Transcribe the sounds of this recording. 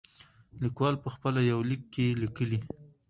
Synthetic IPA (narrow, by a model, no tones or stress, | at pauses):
likwɑlpəxpəlajawlikːelikəli